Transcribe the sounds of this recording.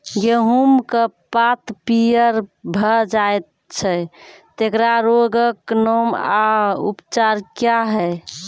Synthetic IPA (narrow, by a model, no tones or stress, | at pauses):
ɡeɦumkəpat̪pijəɾbʱəd͡ʒaet̪̚ | t͡ʃʰɛt̪ekɾaɾoɡəknomaṵpt͡ʃaɾkjaɦɛ